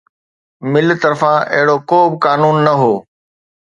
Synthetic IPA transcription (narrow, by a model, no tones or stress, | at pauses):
mɪlt̪ɐɾfãʔɐ̰ɦɪɽokoːbɪkaːnuːnːɐɦoː